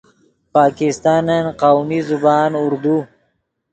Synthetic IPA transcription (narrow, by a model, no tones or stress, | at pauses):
pɑːkɪst̪ɑːnanqawmizubɑːnʊɾd̪u